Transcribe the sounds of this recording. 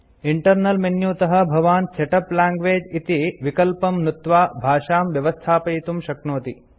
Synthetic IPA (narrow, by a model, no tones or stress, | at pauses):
iɳʈɐɾnɐlmenjuːt̪ɐɦɐ̆bʱɐʋaːnseʈɐplaːŋɡʋeːd͡ʒit̪iʋikɐlpɐmnut̪ʋaːbʱaːʂaːmʋjɐʋɐst̪ʰaːpɐjit̪umʃɐknoːt̪i